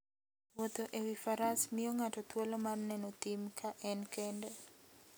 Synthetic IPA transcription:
wot̪oʔewifaɾasmɪɔŋatɔt̪wɔlɔmarnɛnɔt̪imkʰaʔɛnkɛndɛ

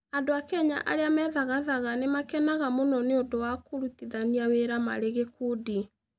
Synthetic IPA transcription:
andoakɛɲa̰ʔa̰ɾeamɛðaɣaðaɣanemakɛnaɣamonɔneondowakoɾutiðaniaweɾama̰ɾeɣekudi

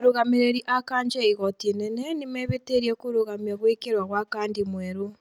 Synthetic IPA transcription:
ɾoɣameɾeɾiʔakaːɲd͡ʒɛiɣɔtenɛnɛnemɛβeteɾiɛkoɾoɣamjaɣwekeɾwaɣwakaːndimwɛɾo

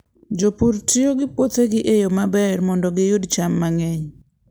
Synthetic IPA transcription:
d͡ʒopuɾtioɡɪpoteɡɪʔejomabɛrmɔndɔɡɪjʊdt͡ʃamːaŋɛɲ

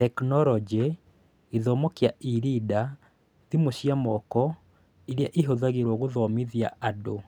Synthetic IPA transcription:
tɛknɔɾɔd͡ʒe | eðɔmɔkeaiɾida | timoɕiamɔkɔ | eɾjaʔeɦoðaɣeɾwɔɣoðɔmeðjaado

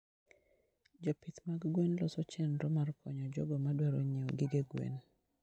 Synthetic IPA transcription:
d͡ʒopit̪maɡɡwenlɔsɔt͡ʃɛnɾɔmarkʰɔɲɔd͡ʒɔɡɔmadwɛɾoɲeoɡɪɡeɡwḛn

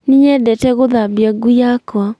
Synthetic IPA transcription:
niɲɛdɛtɛɣoðaβjaɡujakwa

